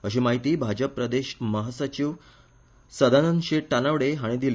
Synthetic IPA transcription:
əɕ̬iːmaɦit̪iːbʱad͡ʑəpːɾəd̪eɕməɦasət͡ɕiʋ | səd̪anənɕeʈanaʋɽeɦaɽ̃id̪ile

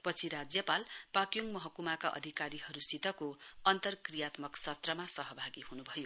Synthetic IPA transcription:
pʌt͡sʰiɾad͡zjʌpalpakjuŋmʌɦʌkumakaʔʌ̰d̪ʱikaɾiɦʌɾusit̪ʌkoʌnt̪ʌrkrijat̪mʌksʌt̪rʌmasʌɦʌbʱaɡiɦunubʱʌjo

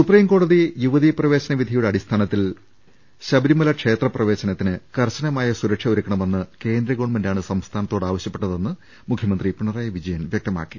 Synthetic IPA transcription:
supriːmko̞ːɽɐðijuʋɐðiprɐʋe̞ːɕɐnɐʋid̪ʱɐjuɽeɐɽist̪ʰaːnɐt̪ːil | ɕɐbɐɾimɐlɐkʂe̞ːt̪rɐprɐʋe̞ːɕɐnɐt̪ːinɨkɐrɕɐnɐmaːjɐsuɾɐkʂɐuɾukːɐɳɐme̞nːɨke̞ːnd̪ɾɐɣoɳmɐndaːɳɨsɐmst̪ʰaːnɐt̪ːo̞ːɽaːʋɐɕjɐpːeʈːɐðe̞nːɨ | mukʰjɐmɐnd̪ripuɳɐraːjɐʋid͡ʑɐjɐnʋjeɐk̚t̪ɐma̰ːkːi̥

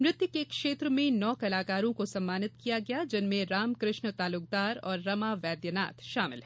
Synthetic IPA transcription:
mɾɪt̪jʊkekʃeːt̪ɾəmẽnɔːkɐlaːkaːɾõkosɐ̃mːaːnɪt̪̚kijaɡɐjad͡ʒɪnmẽɾaːmkɾɪʃnt̪aːlʊk̚d̪aːɾɔːɾːɐmaʋɛːd̪jəna̰ːt̪ʃaːmɪlɦɛ

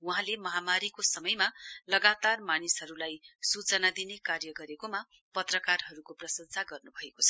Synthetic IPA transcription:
uɦãlemʌɦamaɾikosʌmʌjmalʌɡat̪armanisɦʌɾulajsut͡sʌnad̪inekarjʌɡʌɾekoma | pʌt̪rʌkarɦʌɾukoprʌsʌnt͡sʰaɡʌrnubʱʌekot͡sʰʌ

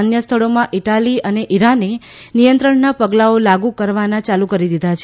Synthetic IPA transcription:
njəst̪ʰəɭomãʔiʈaliəneʔiɾane | nijənt̪ɾəɳnapəɡlaolaɡukəɾʋanãt͡ʃalukəɾid̪id̪ʱat͡ʃʰe

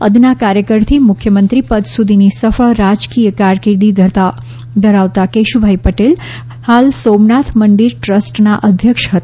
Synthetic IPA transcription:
əd̪nakaɾjəkəɾt̪ʰimʊkʰjəmə̃nt̪ɾipət̪sud̪ʱinisəfəɭɾad͡ʒkijəkaɾkɪɾd̪i | d̪ʱəɾaʋt̪akeʃubʱaipəʈel | halsomnat̪ʰməɳɖiɾʈɾəsʈnaʔəd̪ʱjəkʃɦət̪ḁ

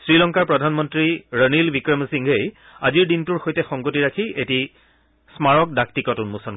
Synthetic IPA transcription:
sɹilɔŋkaɹpɹɔdʱanmɔntɹiɹənilbikɹɔmsiŋɡej | aziɹdintuɹxojtɛxɔŋɡotiɹakʰieti | smaɹɔk̚dak̚tikɔtunmusɔn

